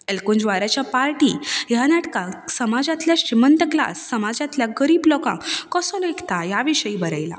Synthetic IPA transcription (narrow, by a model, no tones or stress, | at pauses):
elkũnd͡ʑʋaɾat͡ɕjapaɾʈiːjanaʈkasəmad͡zat̪ljaɕɾimənt̪əkla̰sːəmad͡zãt̪ljaɡəɾiːblɔkã̰kɔsɔlekt̪ajaʋiɕəiːbəɾa̰jla̰